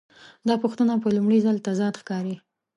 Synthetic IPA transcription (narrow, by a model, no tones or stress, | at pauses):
d̪ɑpoxt̪anapəlumɽizəlt̪azɑd̪xkɑɾi